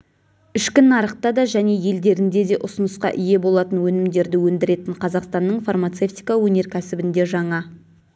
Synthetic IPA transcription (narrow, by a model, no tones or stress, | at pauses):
ʏʃkʲɪnːɑɾəq̚t̪ɑd̪ɑʒæne̞je̞ld̪e̞ɾɪnd̪e̞d̪e̞ʔʊsʊnəsqɑ̰ʔɪje̞bo̞lˠɑt̪ənwɵnɪmd̪e̞ɾd̪ɪwɵnd̪ɪɾe̞t̪ɪɴqʰɑzɑqst̪ɑnːəɴfarmat̪se̞ft̪ijkawɵne̞ɾkʲʰæsɪbɪnd̪e̞ʒɑɴɑ